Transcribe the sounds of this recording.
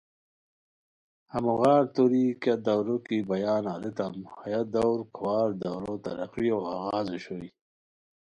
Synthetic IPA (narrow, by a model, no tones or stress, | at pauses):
hamuɣaːɾt̪oɾikad̪awɾokibajaːnaːlet̪amhajad̪awɾkʰawaːɾd̪awɾot̪a̰ɾɐ̰qioaɣaːzoɕoi